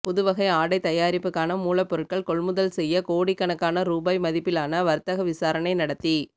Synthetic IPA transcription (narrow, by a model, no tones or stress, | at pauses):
pɔðɯʋɐɣɐɪaːɽɐɪt̪ɐjaːɾɪpːɯkːaːnɐmuːlɐpːɔɾɯʈ̚kɐɭkɔɭmʊðɐlsɛjːɐkoːɽikːɐɳɐkːaːnɐɾuːbaːjmɐðɪpːɪlaːnɐʋɐɾt̪ːɐɣɐʋɪsaːɾɐɳɐɪnɐɽɐt̪ːi